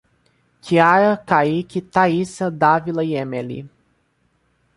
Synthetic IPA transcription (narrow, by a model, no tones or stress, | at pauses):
kʰiaɾɐkaikʲit̪aisɐd̪avilɐjemelḭ